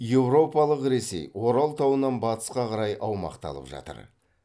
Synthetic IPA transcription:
je̞wɾo̞pɑlˠəqɾe̞se̞̰jwo̞ɾɑlˠt̪ʰɑwənɑnbɑt̪ə̥sqɑqʰɑɾɑjʔɑwmɑ̰qt̪ɑ̰lˠə̰pʒɑ̰t̪ə̰ɾ

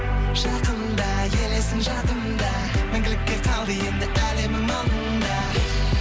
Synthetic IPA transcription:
ʒ̥ɑqənd̪ɑ | je̞le̞sɪnʒɑt̪ənd̪ɑ | mɪŋɡʲɪlɪk̚ʲːe̞qʰɑlˠd̪əje̞nd̪ɪʔælemɪŋmɑlənd̪ɑ

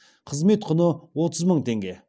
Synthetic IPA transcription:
qʰəzme̞t̪qʰʊnəwo̞t̪əzməɴt̪ʰe̞ŋɡʲe̞

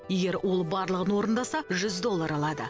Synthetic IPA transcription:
je̞ɡʲe̞ɾwʔo̞lˠbɑɾlˠəʁənwo̞ɾənd̪ɑsɑʒʏzd̪o̞lˠːɑɾɑlˠɑd̪ə̰

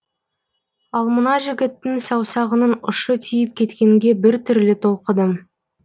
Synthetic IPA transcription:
ɑlˠmənɑʒɪɡʲɪt̪ːɪŋsɑwsɑʁənənʊ̰ʃət̪ʰijɪp̚kʲʰe̞t̪kʲe̞ŋɡʲe̞bɪɾt̪ʰʏɾlɪt̪ʰo̞lˠqəd̪əm

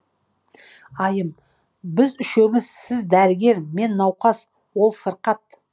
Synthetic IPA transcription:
ɑjəm | bɪzʏʃe̞mɪzsɪzd̪æɾɪɡʲe̞ɾme̞nːɑwqɑs | wo̞lˠsəɾqɑt̪̚

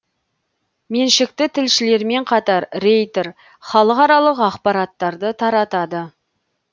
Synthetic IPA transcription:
me̞nʃɪk̚t̪ɪt̪ʰɪlʃɪle̞ɾme̞ɴqʰɑt̪ɑɾɾe̞jt̪eɾ | χɑlˠəqɑɾɑlˠəqɑqpɑɾɑt̪ːɑɾd̪ət̪ʰɑɾɑt̪ɑd̪ə

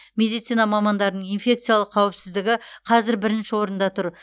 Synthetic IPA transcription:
mʲe̞d̪ijt̪sijnɑmɑmɑnd̪ɑɾənəɴinfʲe̞k̚t̪sɨjalˠəqʰːɑwɪpsɪzd̪ɪɡʲɪqʰɑzɪɾbɪɾɪnʃɪwo̞ɾənd̪ɑt̪ʰʊɾ

